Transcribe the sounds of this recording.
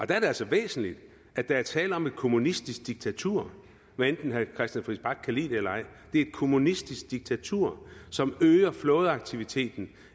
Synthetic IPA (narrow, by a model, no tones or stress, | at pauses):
ʔɒ̽d̥ææɐde̝ælsɒ̽ʋḛːsn̩lid̥ | ʔæd̥ææɐt͡sʰɛ̰ːləɒ̽me̝d̥kʰo̝munisd̥isɡ̥̚d̥iɡ̥̚t͡sʰæt͡sʰuɐ̰ | ʋæend̥n̩ɦækʰʁɛsd̥jænfʁisb̥ɑ̈ɡ̥̚kʰælḭð̥elɐɑɪ̰d̥e̝ɐed̥̚kʰo̝munisd̥isɡ̥̚d̥iɡ̥̚t͡sʰæt͡sʰuɐ̰sɒ̽møːɐflɔ̽ːð̞̩ˠɑ̈ɡ̥̚t͡sʰiʋit͡sʰe̝̰ːd̥n̩